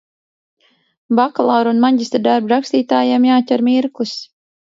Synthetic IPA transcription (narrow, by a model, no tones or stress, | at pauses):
baklˠaɾunmaɲɟʲist̪d̪aɾbɾakst̪iːt̪aːjemjaːcʲɛɾmiɾkus